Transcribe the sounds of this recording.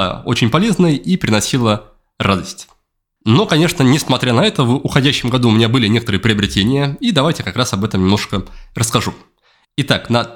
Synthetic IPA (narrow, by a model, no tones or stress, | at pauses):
o̞̰t͡ɕɪnʲpɐlʲe̞znəjipɾʲɪnɐsʲilˠə | rad̪əsʲtʲ | no̞kɐnʲe̞ʂnənʲɪsmɐt̪ɾʲanɐɛt̪əvʊxɐdʲæɕːɪmɡɐd̪uʊmʲɪnʲabɨlʲɪnʲe̞kət̪ɾɨəpɾʲɪɐbɾʲɪtʲenʲɪjəid̪ɐvajtʲɪkɐkɾasɐbɛt̪əmnʲɪmnoʂkərəskɐʐu | ɪt̪aknɐ